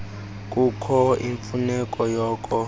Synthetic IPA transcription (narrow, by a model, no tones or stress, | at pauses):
k̬ʼukʰɔḭɱfunɛkʼɔjɔːkʼɔ